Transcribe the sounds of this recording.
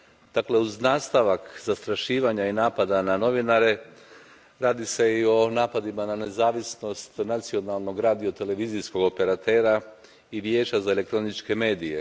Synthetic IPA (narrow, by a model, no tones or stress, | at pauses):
d̪̥akle̞uznaːst̪aʋakzast̪ɾaʃiːʋaɲainaːpad̪anano̞ʋinaɾe̞ | ɾaːd̪ise̞io̞naːpad̪imanane̞zaːʋisno̞st̪nat̪sio̞nalˠno̞ɡɾaːd̪io̞t̪e̞le̞ʋiːzisko̞ɡo̞pe̞ɾat̪e̞ːɾa | iʋje̞ːt͡ʃazaelekt̪ɾo̞nit͡ʃke̞me̞ːd̪ije̞̰